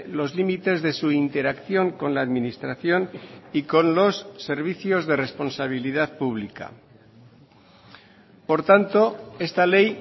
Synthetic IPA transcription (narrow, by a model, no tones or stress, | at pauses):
lo̞zlimit̪e̞zðe̞suint̪e̞ɾakθjo̞ŋko̞nlaːðminist̪ɾaθjo̞niko̞nlo̞sːe̞ɾβ̞iθjo̞zðe̞re̞spo̞nsaβ̞iliðaðpuβ̞lika̰ | po̞ɾt̪ant̪o̞e̞st̪ale̞j